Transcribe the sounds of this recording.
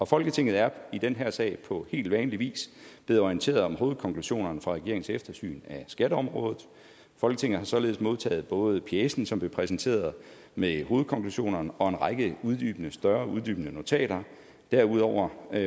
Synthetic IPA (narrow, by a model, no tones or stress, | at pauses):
ɒ̽fɒ̽lɡ̥ət͡sʰe̝ŋ̰ð̩ˠæɐid̥enɦæɐ̰sɛ̰ɪpʰɒ̽he̝̰ːld̥ʋɛːnliʋḭːsb̥le̝ð̩ˠɒient͡sʰe̝̰ːɐð̩ˠɒ̽mɦo̝ːð̩ˠkʰɒ̽ŋkʰluɕo̝̰ːnɐnəfʁɑ̈ʁɛɡ̥e̝ɐeŋn̩sefd̥ɐsy̰ːnæsɡ̥æɾəɒ̽mʁɔ̽ːðð̩ˠ | fɒ̽lɡət͡sʰe̝ŋ̰ð̩ˠhɑ̈sɒ̽le̝ːð̞ˠsmo̝ð̞ˠt͡sʰɛ̰ːð̩ˠb̥ɔ̽ːð̩ˠpʰiesn̩sɒ̽mb̥le̝pʰʁɛsnt͡sʰe̝̰ːɐðˠ | meho̝ːð̩ˠkʰɒ̽ŋkluɕo̝̰ːnɐnəɒ̽e̝nʁɑɪɡ̥əuð̞ˠd̥y̰ːb̥ənəsd̥ɶɐuð̞ˠd̥y̰ːb̥ənəno̝t͡sʰɛ̰ːɾɐ | d̥æɐuðˠɒʊ̰ɐ